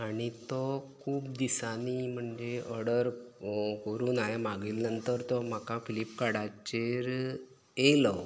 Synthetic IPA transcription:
aɽ̃it̪ɔkʰuːpd̪isanim̤əɳd͡ʑeəɽəɾkəɾuːnaɦemaɡilnənt̪əɾt̪ɔm̤akafilipkaɽat͡ɕeɾ | elɔ

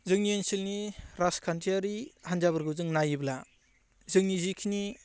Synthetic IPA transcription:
zɯŋnijensilniɾaskʰantɾiaɾihanzabɯɾɡɯzɯŋnajibla | zɯŋnizikʰini

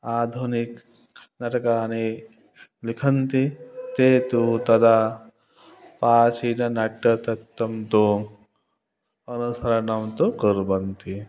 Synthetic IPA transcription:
aːd̪ʱunik | nɐʈɐkaːni | likʰɐnt̪it̪eːt̪ut̪ɐd̪a | paːt͡ʃʰinɐnɐʈːɐt̪ɐt̪ːɐmt̪o | ɐnusɐɾɐnɐmt̪okəɾbɐnt̪i

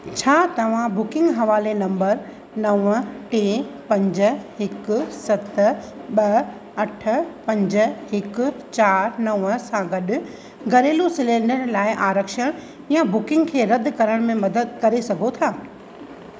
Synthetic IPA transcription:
t͡ɕʰaːt̪ɐʋ̤ãbʊkɪ̃ŋɡɦɐʋaːlenɐ̃mbəɾ | nɐʋəʈeːpɐ̃ɲd͡ʑ̆ɦɪkʊ̆sɐt̪ | ɓɐ | ɐʈʰə̆pɐ̃ɲd͡ʑʊ̆hɪkʊ̆t͡ɕaːɾnɐʋəsãɡɐɗʊ̆ | ɡʱɐɾeːlosɪlẽːɳɖəɾlaːɪʔaːɾəkʃəɽ̃ | jãbʊkɪ̃ŋɡkʰeːɾɐd̪ʱɪ̆kɐɾəɽ̃mẽmɐd̪əd̪̚kɐɾesɐɡʱot̪ʰaː

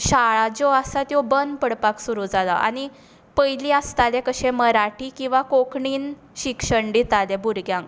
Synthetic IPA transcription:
ɕaɭad͡zoasat̪jɔbənd̪pəɽpaksuɾud͡zala̰a̰ɽ̃i | pəjliast̪alɛ̃kəɕɛ̃məɾaʈʰikĩw̃ʋakokɳiːn | ɕikʂəɳɖit̪alɛbuɾɡjãŋk

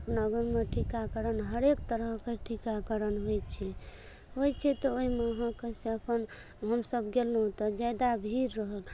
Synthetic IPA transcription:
əpnəɡəɾmeʈʰikakəɾənɦəɾekt̪əɾəɦkeʈʰikakəɾənɦojt͡ʃʰɛ | ɦojt͡ʃʰɛt̪ɔoimeɦə̃keseəpən | ɦəmsəb̚ɡelnɦũt̪ɔd͡ʒad̪abʱiɾːəɦəl

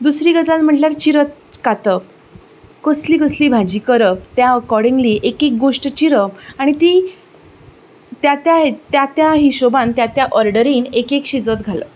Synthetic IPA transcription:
d̪usɾiːɡəd͡zalm̤əʈljaɾt͡ɕiɾət̪̚ | kat̪əp | kəsliːkəsliːbʱad͡ʑiːkəɾəpt̪jaəkɔɾɖiŋɡliʔekek̚ɡoʂʈət͡ɕiɾəpaɽ̃it̪iː | t̪jat̪jaɦet̪jat̪jaɦiɕobãnt̪jat̪jaʔɔɾɖəɾiːnekekɕid͡zət̪ɡʱalə̰

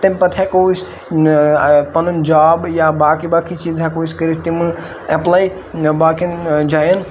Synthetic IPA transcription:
t̪impɐt̪ʰɛkois | pɐnund͡ʒaːbjabaːkibaːkʰit͡ʃiːzɦɛkoːiskəɾist̪im | eplaːi | baːkʰind͡ʒaːjən

